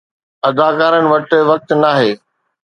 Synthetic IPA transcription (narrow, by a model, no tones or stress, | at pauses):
ɐd̪aːkaːɾənɪ̆ʋɐʈʋɐk̚t̪naːɦeː